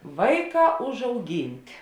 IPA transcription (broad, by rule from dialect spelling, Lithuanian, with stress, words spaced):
ˈʋɐɪˌkɑː ʊʒɐʊˈɡʲɪnʲtʲɪ